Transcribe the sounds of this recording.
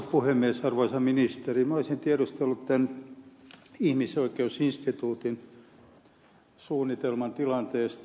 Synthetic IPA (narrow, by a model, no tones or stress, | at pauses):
puhemːiesɑrʋoisɑminist̪erimæoisint̪iæɾust̪elːut̪t̪æn | ihmisoikeusinst̪it̪uːt̪in | suːnːit̪elmɑnt̪ilɑnt̪eːst̪